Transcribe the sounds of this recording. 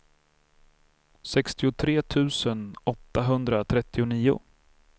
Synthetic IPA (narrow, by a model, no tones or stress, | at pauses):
sɛkst̪ɪʊt̪ʰɾeːt̪ʰʉ̟ːsənɔt̪ːaɦɵnd̪ɾat̪ʰɾɛt̪ːɪʊniːʊ̰